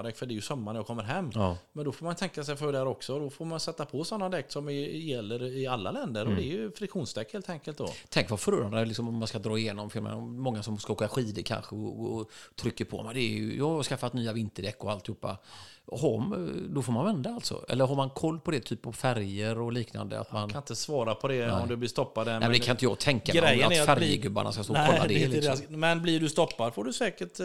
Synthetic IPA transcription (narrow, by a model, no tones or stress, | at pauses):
d̪ɛkfœɖɛjɵsœmːaɳjɑkʰɔmːəɾɦɛmːmɛnd̪ɔfoːmant̪ʰɛŋkasɛjfœɖæːɾɔksɔd̪ɔfoːɾmansɛt̪ːapʰɔsɔnːad̪ɛk̚t̪sɔmɪjɛlːəɾɪalːalɛnd̪əɾɔd̪ɛæɾjɵfɾɪkɧuːnst̪ʰɛkːheːlt̪ʰɛŋkəlt̪d̪ɔ̰t̪ʰɛŋkvafœɾuːɾand̪lɪksɔmɔmːanskad̪ɾɑːɪjeːnɔmfɪlmɛ̰mɔŋːasɔmskaoːkaɧiːd̪əkʰa̰nɧəɔːt̪ʰɾʏkːəɾpʰɔmɛd̪ɛj̰jɑːaɾskafːat̪nyːavɪnt̪əɖ̪ɛkːɔalt̪ɪhuːpːa̰ɦɔd̪ɔfoːɾmanvɛnd̪aalt̪sɔ̰ɛ̰lːəɾɦaɾmankʰɔlːpʰɔd̪ɛt̪ʰyːpːɔfæɾjəɾɔliːkna̰nd̪ə̰a̰t̪manʰanɪt̪əsvɑːɾapʰɔd̪ɛɔmd̪ɵblɪst̪ɔpːad̪ɛ̰md̪ɛkʰanɪnt̪əjɑːɡt̪ʰɛŋkaɾɛːatnfæɾjəɡɵbːa̰ɳʔa̰skast̪oːkɔːad̪ɛlɪsmmɛnblɪɖɵst̪ɔpːad̪foɖɵsɛːkəʈ